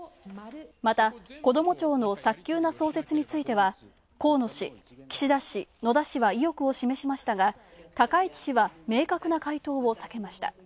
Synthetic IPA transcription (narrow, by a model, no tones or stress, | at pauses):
mat̪ako̞d̪o̞mo̞t͡ɕo̞ːno̞sakʲːɨːnaso̞ːse̞t͡sɨɲ̟it͡sɨit̪e̞βa | ko̞ːno̞ɕi | kʲi̥ɕid̪aɕino̞d̪aɕiβaijo̞kɯ̟o̞ɕime̞ɕimaɕi̥t̪aɡa | t̪akait͡ɕi̥ɕiβame̞ːkakɯ̟nakait̪o̞ːβo̞sake̞maɕi̥t̪a̰